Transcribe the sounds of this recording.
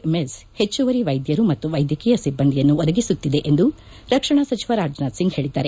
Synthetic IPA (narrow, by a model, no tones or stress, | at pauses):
meshe̞t͡ʃːuʋɐɾiʋɐjd̪jɐɾumɐt̪ːuʋɐjd̪jɐkɛjɐsibːɐnd̪ijɐnːuɔd̪ɐɡisut̪ːid̪e̞ʔend̪u | ɾɐkʂɐɳasɐt͡ʃiʋɐɾaːd͡ʒnaːd̪siŋɡhe̞ːɭid̪ːaːɾe